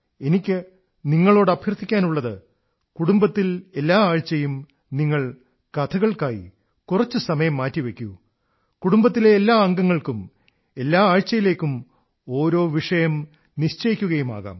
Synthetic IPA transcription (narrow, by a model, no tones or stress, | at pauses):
e̞nikʲːɨ | niŋːɐɭo̞ːɽɐbʱjɐrt̪ʰːikʲːaːnuɭːɐðɨ | kuɽumbɐt̪ːile̞lːaːaːɻt͡ɕːɐjum | niŋːɐɭ | kɐt̪ʰɐɣɐɭkaːjḭ | kurɐt͡ɕːɨsɐmɐjɐmːaːtːiʋe̞kʲːu | kuɽumbɐt̪̬ːile̞ːlːaːɐŋɡɐŋːɐɭkum | e̞lːaːaːɻt͡ɕːɐjile̞ːkʲːum | o̞ːɾo̞ːʋiʂɐjɐm | niɕt͡ɕɐjikʲːuɣɐjuma̰ːɣa̰ːm